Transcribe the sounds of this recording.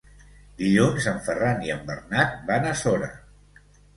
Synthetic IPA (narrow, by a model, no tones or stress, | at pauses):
ɡiʎonzəɱfəraniəmbərnat̪̚banəsɔɾə̰